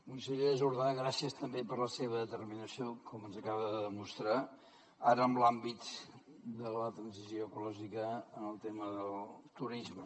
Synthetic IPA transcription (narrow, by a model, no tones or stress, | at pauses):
kunsəʎeəzuɾðaɣɾasiəst̪əmbepəɾləseβəðət̪ərminəsiokʰɔmənzəkaβəðəðəmust̪ɾa | aɾəːmblambit̪ | d̪ələt̪ɾənzisjoəkulɔʒikəːnəlˠt̪eməðəlˠt̪uɾizmə